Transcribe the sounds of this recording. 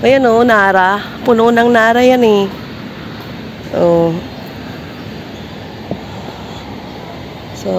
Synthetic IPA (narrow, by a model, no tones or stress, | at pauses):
janonaːɾa | pʊnonaŋnaːɾajanɪ | ʔo | so